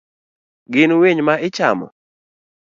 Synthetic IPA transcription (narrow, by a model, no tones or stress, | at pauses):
ɡɪnweɲmaɪt͡ʃa̰mɔ̰